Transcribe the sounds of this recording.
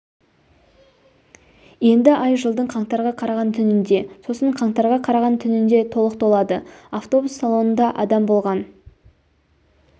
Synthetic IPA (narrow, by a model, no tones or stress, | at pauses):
je̞nd̪ɪʔɑjʒəlˠd̪əɴqʰɑɴt̪ɑɾʁɑqʰɑɾɑʁɑnt̪ʰʏnɪnd̪e̞so̞səɴqʰɑɴt̪ɑɾʁɑqʰɑɾɑʁɑnt̪ʰʏnɪnd̪e̞t̪ʰo̞lˠəq̚t̪ʰo̞lˠɑd̪əaft̪o̞busːalˠo̞nənd̪ɑʔɑd̪ɑmbo̞lˠʁɑn